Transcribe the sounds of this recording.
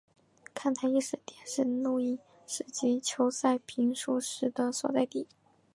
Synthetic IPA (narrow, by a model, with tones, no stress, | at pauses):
kʰa˥˩nt̪ʰa˧˥i˥˩ʂɻ̩˥˩t̪jɛ˨˩nʂɻ̩˥˧nu˥˧i˥˩ | ʂɻ̩˥˩t͡ɕi˧˥t͡ɕʰjo˧˥ʊsa˥˩ɪpʰi˧˥ŋʂu˧˥ʂɻ̩˧˥d̪ə˧swɔ̰˨˩t͡sa˥˧ɪt̪i˥˩